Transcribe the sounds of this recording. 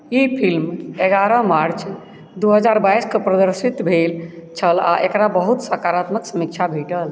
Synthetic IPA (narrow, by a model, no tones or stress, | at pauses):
ipʰilmeɡaɾəmaɾt͡ʃ | d̪uɦəd͡ʒaɾbaiskəpɾəd̪əɾsit̪bʱelt͡ʃʰəla̰ʔekɾabəɦut̪səkaɾat̪məksəmik̚t͡ʃʰabʱiʈəl